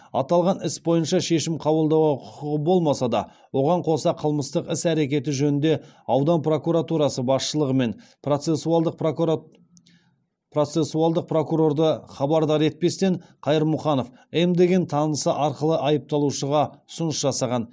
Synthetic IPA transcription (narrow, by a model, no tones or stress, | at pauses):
ɑ̰t̪ɑlˠʁɑnɪsbo̞jənʃɑʃe̞ʃɪmqʰɑβəlˠd̪ɑwʁɑqʰʊəʁəbo̞lˠmɑsɑd̪ɑ̰ | wo̞ʁɑɴqʰo̞sɑqʰəlˠməst̪əqɪsæɾe̞kʲe̞t̪̬ɪʒɵnɪnd̪e̞ɑwd̪ɑnpro̞kuɾat̪uɾɑsəbɑsʃəlˠəʁəme̞n | ot̪sesuɑlˠd̪əq | pro̞t̪se̞suɑlˠd̪əq̚pro̞kuɾo̞rd̪əχɑbɑɾd̪ɑɾe̞t̪̚pe̞st̪e̞nqʰɑjəɾmʊχɑno̞f | emd̪e̞ɡʲe̞nt̪ʰɑnəsəʔɑɾqəlˠəʔɑjəp̚t̪ɑlˠuʃəʁɑʊ̥sʊnəsʒɑsɑʁɑn